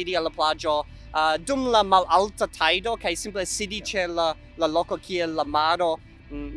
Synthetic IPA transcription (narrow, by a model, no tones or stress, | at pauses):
idialːaplad͡ʒo | dumlamalaltatʰajdo̞kajsimplesidit͡ʃela | laloko̞kʰielːamaɾo̞